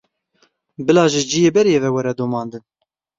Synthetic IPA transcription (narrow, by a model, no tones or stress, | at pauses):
bɨlɑːʒɪd͡ʒijeːbɛɾjeːvɛwɛɾɛd̪omɑːnd̪ɨn